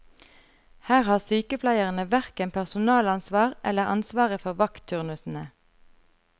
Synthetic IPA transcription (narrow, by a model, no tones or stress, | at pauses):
hæːʁhɑːʁsyːkəpʰlæɪəʁənəʋæʁkənpʰæʁsʊnɑːlɑnsʋɑːʁʔɛləʁɑ̰nsʋɑːʁəfɔʁʋɑkt̪ʰːʉʁnʉsn̩ə